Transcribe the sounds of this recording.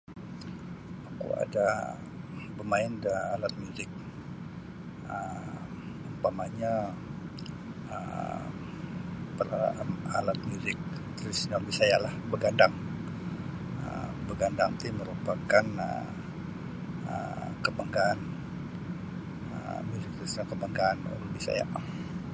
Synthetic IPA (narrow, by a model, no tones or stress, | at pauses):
akṵa̰da | bəmaɪndaalat̪̚muzɪk̚ | ə | əmpamaɲa | ə | pəraalat̪̚muzɪk̚ | t̪əɾisiɲabisajaʔlahbəɡandaŋ | ə̰bəɡandaŋt̪iməɾupakanə̰ | ə̰kəbaŋɡaːn | ə̰muzɪk̚t̪əɾisɲakəbaŋɡaːnṵɾbisa̰ja̰ʔ